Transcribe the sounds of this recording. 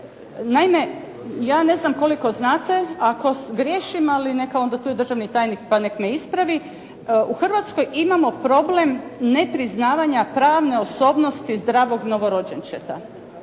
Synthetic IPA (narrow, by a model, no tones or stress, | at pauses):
naime̞ | jaːne̞znamko̞liko̞znaːt̪e̞ako̞sɡɾje̞ːʃimaline̞kao̞nd̪at̪uːjed̪r̩ʒaʋnit̪aːjnikpane̞kmeispɾaʋi | ʔuxr̩ʋat̪sko̞jimamo̞pɾo̞blemne̞pɾiznaːʋaɲapɾaːʋne̞o̞so̞ːbno̞st̪izd̪ɾaːʋo̞ɡno̞ʋo̞ɾo̞d͡ʑent͡ʃet̪a̰